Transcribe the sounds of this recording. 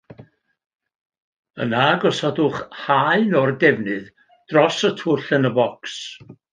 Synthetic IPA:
ənaɡɔsɔdʊχhaɨnɔrdɛvnɨð | d̥rɔsətʰʊɬənəbɔks

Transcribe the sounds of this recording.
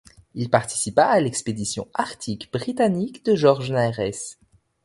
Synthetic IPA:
ilpaʁt̪i̥sipaːlɛksped̪isjɔ̰̃aʁt̪ʰikbʁit̪anikd̪əʒɔʁʒnaɛʁɛs

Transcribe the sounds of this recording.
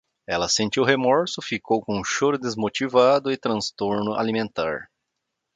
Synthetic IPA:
ɛlɐsẽnt͡ʃ̪iwɦemɔɾsʊfikowkõũʃoɾʊd̪ezmot͡ʃivad̪ʊɪt̪ɾɐ̃st̪oɾnʊʔa̰limẽnt̪a̰ɾ

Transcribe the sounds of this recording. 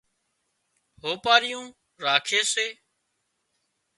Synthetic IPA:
ɦoːpaːɾɪjũː | ɾaːkʰeːseː

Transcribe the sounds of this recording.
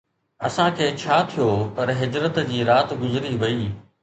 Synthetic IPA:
ɐ̰sãkʰeːt͡ɕʰaːt̪ʰijoːpɐɾɦɪd͡ʑɾət̪d͡ʑiːɾaːt̪ɡʊzɪɾiʋɐiː

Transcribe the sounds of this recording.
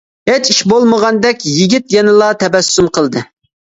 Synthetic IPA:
het͡ʃiʃbolˠməʁɑnd̪ɛkʲjiɡʲit̪jɛnɪlˠɑt̪ʰɛbɛsːumqʰəlˠd̪ɨ

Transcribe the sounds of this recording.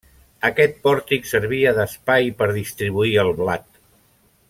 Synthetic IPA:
əkɛt̪̚pɔɾt̪iksəɾβ̞iəðəspajpəɾðist̪ɾiβ̞uiəlˠβlat̪

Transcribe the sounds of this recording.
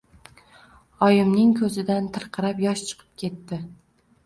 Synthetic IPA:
ɒjɪmnɪŋkʰɵzɪd̪ant̪ʰɨɾqʰɨɾapjɒʃt͡ʃʰɨ̥qʰɨ̥p̚kʲʰe̞t̪ːɪ

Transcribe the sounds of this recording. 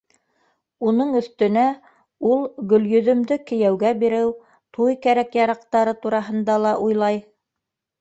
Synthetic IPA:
unɤɴɵ̆θt̪ɵ̆næ | ulˠɡɵ̆ljɵ̆ðɵ̆md̪ɵkɘ̆jæwɡæbiɾɘw | t̪ʰujkæɾækjɑɾɑqt̪ɑɾɤt̪uɾɑɦɤ̆nd̪ɑlˠɑʔujlˠɑj

